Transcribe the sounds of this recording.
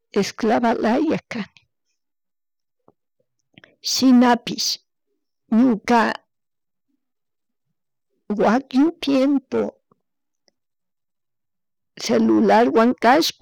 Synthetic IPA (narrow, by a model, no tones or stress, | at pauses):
esklaβalajakan | ʃinapiʃ | ɲuka | wakint̪jempo | selulaɾwaŋkʼaʃp